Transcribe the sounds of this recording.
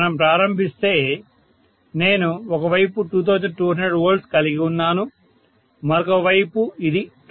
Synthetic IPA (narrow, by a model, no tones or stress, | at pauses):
nɐmpɾaːɾɐmbʱist̪e̞ː | ne̞ːnuɔkɐʋɐjpuʈuːt̪̬ʰɐwd͡ʒɐɖʈuːɦɐnɖɐɖʋoːɾɖskɐliɡiunːaːnu | mɐɾɔkɐʋɐjpuid̪i